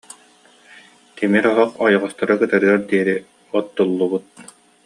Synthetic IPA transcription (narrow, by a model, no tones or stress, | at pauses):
t̪ɛmiɾɔɦɔqɔjɔʁɔst̪ɔɾɯkɯt̪aɾɯaɾd̪iɛɾi | ɔt̪ːulˠːubut̪̚